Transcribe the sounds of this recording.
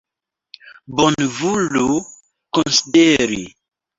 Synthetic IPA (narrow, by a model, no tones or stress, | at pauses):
bonvulu | konsideɾi